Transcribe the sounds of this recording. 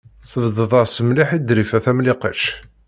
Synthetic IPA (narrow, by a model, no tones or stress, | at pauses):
θəvðəðˤəɾsəmliħid̪ɾifæθæmlɪqəʃ